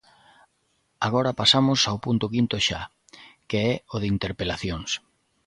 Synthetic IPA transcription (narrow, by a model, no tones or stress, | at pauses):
aɣɔɾɐpasamʊsawpunt̪ʊkint̪oʃa | keɛoðint̪eɾpelaθjoŋs